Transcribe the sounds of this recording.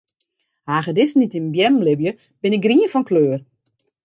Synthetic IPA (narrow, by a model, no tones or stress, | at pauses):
haːxədɪsnitinbjɛmlɪbjə | b̥ɪnɪk̚ɡriənfɔnkløːər